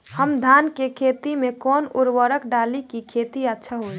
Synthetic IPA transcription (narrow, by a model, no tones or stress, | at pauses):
həmd̪ʱankekʰet̪imekɔːnuɾwəɾəkɖalikikʰet̪iətːʃʰaɦoj